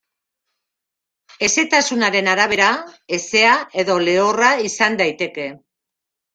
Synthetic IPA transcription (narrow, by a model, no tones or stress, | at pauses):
e̞se̞t̪asunaɾe̞naɾaβ̞e̞ɾae̞se̞ae̞ðo̞le̞oraisand̪ajt̪e̞ke̞